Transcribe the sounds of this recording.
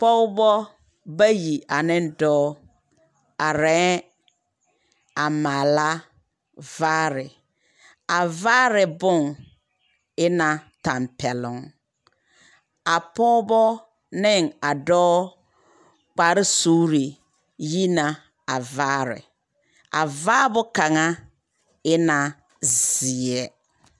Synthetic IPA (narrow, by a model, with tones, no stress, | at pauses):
pɔ˦wbɔ˦ | ba˦ji˨a˨nɪ̃˦n˦dɔː˦ | a˨ɾɛ̃˨˦ | a˨maː˨la˦ | vaː˦ɾɪ˨ | a˨vaː˦ɾɪ˨bʊ˦ŋ | ɪ˦nã˨tã˨mpʰɛ˨lʊ̃˨ŋ | a˨pɔː˦bɔ˦ | nɪ˦˨ŋa˨dɔː˦ | k͡pa˨ɾɪ˦suː˦ɾi˨ | ji˦na˨ | a˨vaː˦ɾɪ̰˨ | a̰˨vaː˦bʊ˦ka˨ŋa˦ | ɪ˦na˨ | zɪ˨ɛ˦